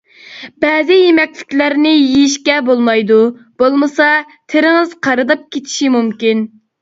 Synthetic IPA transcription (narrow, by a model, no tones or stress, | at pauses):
bɛːzɪjemɛkʲlɪkʲlæɾnɪjijiʃkʲɛbolˠmɑjd̪ub̥olˠmɨsɑ | t̪ʰɪɾɪŋɨz̥qʰɑɾɨd̪ɑp̚kʲʰet̪ʰi̥ʃimumkʲin